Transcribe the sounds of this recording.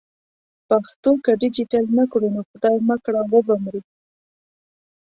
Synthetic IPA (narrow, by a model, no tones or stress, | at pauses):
paxt̪okaɖɪd͡ʒiʈalnakɽunoxʊd̪ɑjmakɽawəbamɾi